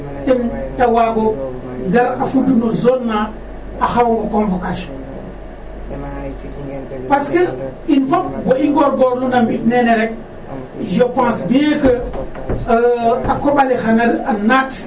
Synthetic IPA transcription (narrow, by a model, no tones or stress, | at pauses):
tentawaɡo | ɡaɾafudunozonːa | axawmokonvokaʃ | paskəinfopɡoiŋɡoɾɡoɾlunambineneɾek̚ | d͡ʒopãsbijekə | akobalixanalanat